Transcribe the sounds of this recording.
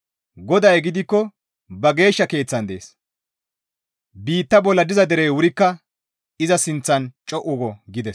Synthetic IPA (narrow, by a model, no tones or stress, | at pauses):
ɡɔd̪ɐjɡɪd̪ɪkːɔ | bɐɡe̞ːʃːɐke̞ːt͡sːɐnd̪ḛːs | biːt̪ːɐbɔlːɐd̪ɪzɐd̪ɛɾeːwʊɾɪkːɐ | ɪzɐsɪnt͡sːɐnt͡ʃʼɔʔʊɡɔɡɪd̪ɛs